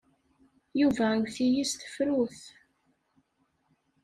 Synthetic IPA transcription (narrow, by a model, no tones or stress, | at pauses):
juvæɡʷθijist̪ə̥fɾuθ